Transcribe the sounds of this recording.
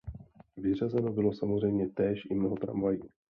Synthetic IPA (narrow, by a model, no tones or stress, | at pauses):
vɪr̝azɛno̞bɪlo̞samozr̝ɛjmɲɛt̪ɛːʃʔɪmnoɦot̪ɾa̰ɱvajiː